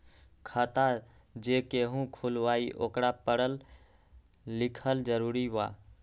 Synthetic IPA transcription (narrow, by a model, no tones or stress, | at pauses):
kʰət̪a | d͡ʒekeɦũkʰulʋaiʔo̰kɾapəɽəl | ikʰəld͡ʒəɾuɾiʋa̰